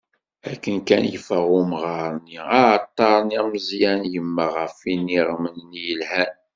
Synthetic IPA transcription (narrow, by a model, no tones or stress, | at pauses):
ækːənkænjəfəʁʊmʁɑɾˤniat̪ˤːɑɾˤniməzjænjəmːaʁəfinːiʁmənnjəlhæn